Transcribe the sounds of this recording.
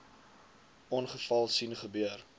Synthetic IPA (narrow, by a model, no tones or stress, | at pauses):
ʔɔnχəfɐlˠsinχəbøər